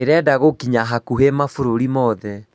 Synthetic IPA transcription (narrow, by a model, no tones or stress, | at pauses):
eɾɛdaɣokiɲaɦakuɦemafoɾoɾimɔðɛ